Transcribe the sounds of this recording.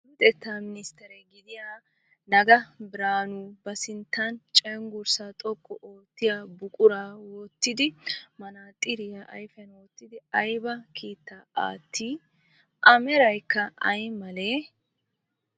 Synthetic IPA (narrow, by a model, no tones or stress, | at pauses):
ɪt̪ʼɛt̪ːaːmɪnɪst̪ɛɾɛɡɪd̪ɪja | nɐɡɐbɪɾaːnubɐsɪnt̪ːɐnt͡ʃʼɛŋɡʊɾsat̪ʼɔkʼːɔʔoːt̪ːɪjabʊkʼʊɾaːwɔt̪ːɪd̪ɪmɐnaːt̪ʼɪɾɪjaʔɐjfɛnwɔt̪ːɪd̪ɪɐjbɐkʰiːt̪ːaa̰ːt̪ːiː | ʔɐmɛɾɐjkːɐʔɐ̰jmɐleː